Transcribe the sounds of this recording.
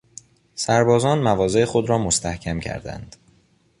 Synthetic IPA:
sæɾbɒːzɒːnmævɒːze̞exo̞d̪ɾɒːmost̪æhcʰæmcʰæ̰ɾd̪æ̰nd̪̥

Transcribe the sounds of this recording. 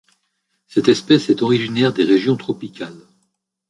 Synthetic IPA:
sɛt̪ɛspɛsɛt̪ɔʁiʒinɛʁd̪eʁeʒjɔ̃t̪χɔpikʲʰal

